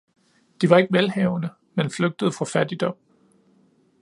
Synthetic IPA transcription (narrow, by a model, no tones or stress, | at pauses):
d̥iʋɑ̈e̝ɡ̥əmælhɛʊnə | menfløɡ̥̚d̥əð̞̩ˠfʁɑ̈fæd̥id̥ɒ̽m̰